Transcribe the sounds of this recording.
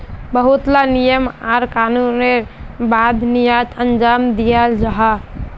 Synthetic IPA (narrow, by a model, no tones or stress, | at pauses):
bəɦut̪lanijəmaɾkanunebad̪ʱnijad͡ʒənd͡ʒamd̪ijəld͡ʒəɦa